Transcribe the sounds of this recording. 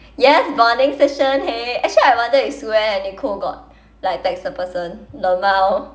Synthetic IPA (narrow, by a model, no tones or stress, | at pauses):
jɛsbanɪ̃ŋsɛʃə̃nheɛk̚t͡ʃəliaɪwãndəisuɛɛ̃nikʰoɡɔ̰t̚ | laɪk̚tɛk̚sdəpəsə̃nləmaw